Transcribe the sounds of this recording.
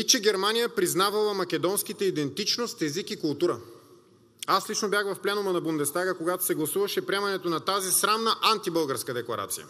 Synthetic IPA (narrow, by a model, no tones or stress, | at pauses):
it͡ʃɛɡʲɛɾmanijəpɾiznavɐlˠɐmɐkʲɛd̪ɔnskit̪əid̪ɛnt̪it͡ʃnost̪ɛzikikʊlˠt̪uɾə | aslit͡ʃnobjaxvɐfplɛnʊmɐnɐbund̪ɛst̪aɡəkoɡat̪o̥sɛɡlˠɐsuvɐʃɛpɾʲiɛmɐnɛt̪onɐt̪azisɾamnəʔant̪ibɤlˠɡəɾskəd̪ɛklˠɐɾa̰t̪sijə̰